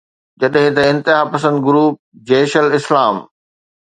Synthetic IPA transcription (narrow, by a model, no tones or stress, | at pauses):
d͡ʑɐɗɦɪ̃t̪ɐɪ̃nt̪ɪɦaːpɐsə̃nd̪ɡʊɾuːp̚d͡ʑeːʃəlɪslaːm